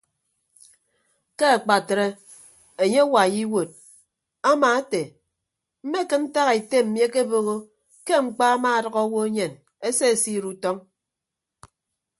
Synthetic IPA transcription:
ke˦a˨k͡pa˨tɾe˦ | e˨ɲe˦wa˨ji˦wo˨d̚ | a˦ma˨a˦te˨ | m̩˦me˦kɨ˦n̩˦ta˦ɣa˨i˨te˦m̩˨mi˦e˦ke˦bo˦ɣo˦ | ke˦ŋ͡m̩˦˨k͡pa˦a˦ma˦a˨dʌ˦ɣɔ˦wo˦e˦ɲe˨n | e˦se˦e˨si˦˨ɾu˦tɔ˦ŋ

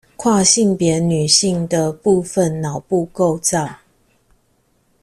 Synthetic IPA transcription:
kʰwa˥˧ɕi˥˨ŋpjɛ˨˦ny˨˩ɕi˥˩ŋd̪ə˨pu˥˨fə˨nːɑ˨˩ʊpu˥˧ko˥˧ʊt͡sɑ˥˨ʊ

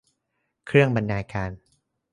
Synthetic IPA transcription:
kʰɾɯ˥˩əŋba˧nːaː˧kaː˧n

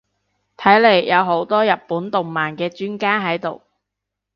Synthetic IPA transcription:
t̪ʰɐ˨˥jle˨˩jːɐ˨˧wɦo˨˥wt̪ɔː˥jɐ˨t̚puː˨˥nt̪ʊ˨ŋmaː˨˩nkɛː˧t͡ʃyː˥nkaː˥ɦɐ˨˥jt̪o˨˩w

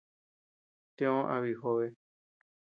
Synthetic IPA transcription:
t̪ẽ˧˦õ˦ʔa̰˧βi˨ɦo˧βe˧

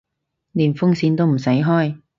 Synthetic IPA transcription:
niː˨˩nfʊ˥ŋsiː˧nt̪o˥wm̩˨˩sɐ˨˥jɦɔː˥j

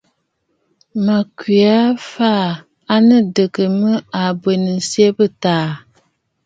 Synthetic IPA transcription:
ma˨ki˨a˦faː˦˨ | a˦nɨ˦dɨ˨kɨ˨mɨ˦a˨bwe˨nɨ˨si˦e˦bɨ˦taː˦˨

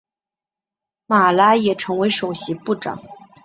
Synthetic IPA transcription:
ma˨˩la˥jɛ˨˩ʈ͡ʂʰɤ˧˥ŋwe˧˥ɪʂo˨˩ʊɕi˧˥pu˥˩ʈ͡ʂɑ̰˨˩˦ŋ

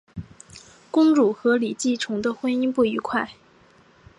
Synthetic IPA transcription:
kʊ˥ŋɻu˨˩xɤ˧˥li˨˩t͡ɕi˥˩ʈ͡ʂʰʊ˧˥ŋd̪ə˧xwə˥ni˥ŋpu˥˩i˧˥kʰwa˥˩ɪ

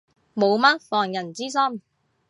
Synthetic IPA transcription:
mo˨˧wmɐː˥k̚fɔː˨˩ŋjɐ˨˩nt͡siː˥s̬ɐ˥m

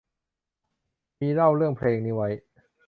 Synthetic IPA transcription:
miː˧ɾa˥˩wɾɯ˥˩əŋpʰleː˧ŋniː˦˥wa˦˥j

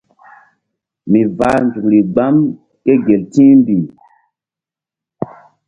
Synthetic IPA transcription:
mi˨va˦nzu˨kɾi˨ɡ͡ba˦m | ke˦ɡe˨ltĩː˦mbi˨

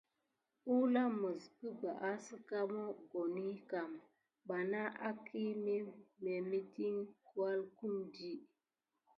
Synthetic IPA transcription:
u˦la˦mə˨skə˦ɡ͡ba˨ʔa˦sə˦ka˦mo˦ɡo˨ni˦ka˨m | ba˨na˦ʔa˦kʰi˦mi˦me˨mi˦ti˦ŋku˦a˦lku˦mdi˦

